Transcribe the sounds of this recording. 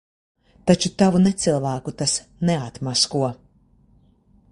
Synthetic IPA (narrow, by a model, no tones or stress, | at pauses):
t̪at͡ʃut̪avunɛt̪sɨlˠvæːkut̪as | nɛat̪maskuɔ